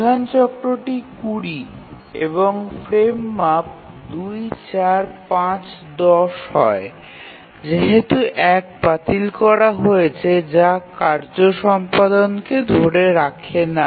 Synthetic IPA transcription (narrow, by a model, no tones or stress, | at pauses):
d̪ʱant͡ɕɔkɾoʈikuɾi | ḛβoŋfɾemːap̚ | d̪ujt͡ɕaɾpãt͡ɕ | d̪ɔʃhɔe | d͡ʑeɦet̪uʔɛk̚bat̪ilkɔɾaɦoet͡ɕʰed͡ʑakaɾd͡ʑoʃɔmpad̪onked̪ʱoɾeɾakʰena